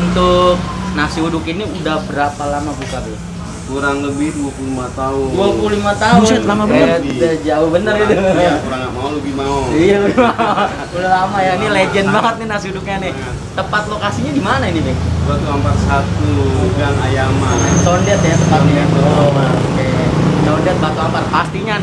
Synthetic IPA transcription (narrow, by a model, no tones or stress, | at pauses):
unt̪ʊk̚nasiudʊkiniudahbəɾapalamabukabɛ | kuɾaŋləbɪhduapululimat̪aʊduapululimat̪aʊnlamabəd͡ʒaʊhbənərit̪uakuɾaŋɡaʔmaoləbɪhmaoijaləbimaa | kudalamajainiled͡ʒɛnbaŋət̪̚ninasudʊk̚ɲanɪ | t̪əpat̪̚lokasiɲadimanainibɛhduat̪uampat̪̚sat̪uɡaŋajamat̪ondɛt̪jat̪əpat̪̚milatoaket̪ɔndɛt̪̚bat̪uampat̪̚pat̪iɲa